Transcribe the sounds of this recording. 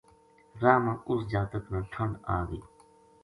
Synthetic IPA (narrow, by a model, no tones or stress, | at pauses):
ɾaːmãːʊsd͡ʒaːt̪əknãːɬʰəɳɖaːɡḭː